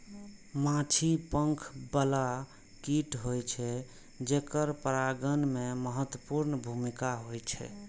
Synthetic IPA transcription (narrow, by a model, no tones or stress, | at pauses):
mãt͡ʃʰipəŋkʰbəla | kiʈɦojt͡ʃʰɛ | d͡ʒekəɾpəɾaɡənmeməɦət̪wəpuɾnbʱumikaɦojt͡ʃʰɛ̰